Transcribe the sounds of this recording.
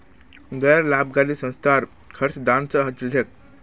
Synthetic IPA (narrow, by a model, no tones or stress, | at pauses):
ɡəjɾlab̚ɡaliːsə̃w̃st̪ʰaɾ | kʰəɾt͡sd̪ant͡səɦət͡ʃld̪ek̚